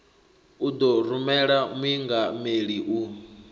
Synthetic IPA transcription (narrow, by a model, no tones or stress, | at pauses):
ud̪ɔɾumɛɺamwiŋɡameɺiʔu